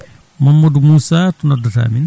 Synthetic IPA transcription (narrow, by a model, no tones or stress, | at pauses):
mamːɔdumuːsatunɔdɔta̰ːmin